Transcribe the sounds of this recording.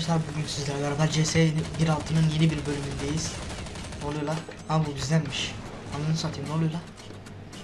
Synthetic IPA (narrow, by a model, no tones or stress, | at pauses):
sabyɟʲynsizlʲɛɾbaɾabaɾd͡ʒesebiɾalˠt̪ʰɯnɯnje̞nibiɾbø̞lʲymynd̪e̞jiz̥ | olˠujolˠa | abuɟyzlʲænʲmiʃ | anɯnɯsat̪ʰɯmnolˠujlˠa